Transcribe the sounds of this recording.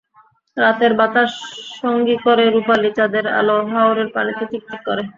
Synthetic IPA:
ɾat̪eɾbat̪aʃʃoŋɡikoɾeɾupalit͡ɕad̪eɾa̰loɦaoɾeɾpanit̪et͡ɕik̚t̪ikːoɾe

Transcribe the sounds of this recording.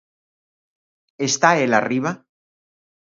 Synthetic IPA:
est̪aelariβa

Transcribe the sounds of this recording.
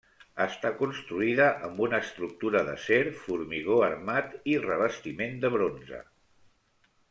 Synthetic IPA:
əst̪akunst̪ɾuiðəʔəmbunəːst̪ɾuk̚t̪uɾəðəseɾfuɾmiɣoəɾmat̪irəβ̞əst̪imend̪əβɾonzə̰

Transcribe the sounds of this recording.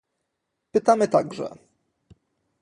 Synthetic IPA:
pɘt̪amɘt̪aɡʐɛ̰

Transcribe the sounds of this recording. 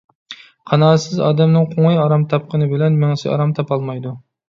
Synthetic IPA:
qʰɑnɑːsɪzɑ̰ːd̪ɛmnɨŋqʰoŋɨjɑɾɑmt̪ʰɑp̚qʰənɨbɪlɛnmɪŋsɪɑ̰ɾɑmt̪ʰɑpɑlˠmɑjd̪u

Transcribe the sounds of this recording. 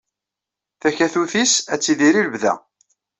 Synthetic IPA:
θæçæθuθisæt͡sːiðiɾiləbðæ̰

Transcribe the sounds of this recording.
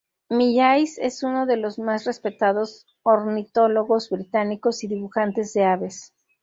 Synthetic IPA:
miʎajse̞̰suno̞ðe̞lo̞zmasre̞spe̞t̪aðo̞s | oɾnit̪o̞lo̞ɣo̞zbɾit̪aniko̞siðiβuxant̪e̞zðe̞aβe̞s

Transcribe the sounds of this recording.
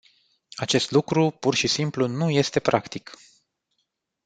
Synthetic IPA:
at͡ʃe̞st̪lukɾupurʃisimplunuje̞st̪e̞pɾʔakt̪ik

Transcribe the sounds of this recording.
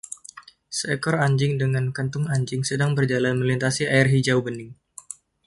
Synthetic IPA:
səɛkɔraɲd͡ʒɪŋdəŋankənt̪ʊŋaɲd͡ʒɪŋsədaŋbərd͡ʒalanməlint̪asiaɪrɦid͡ʒawbənɪŋ

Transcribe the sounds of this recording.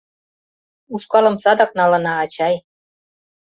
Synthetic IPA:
uʃkɑlɤ̆msɑd̪ɑk̚nɑlɤ̆nɑːt͡ɕɑj

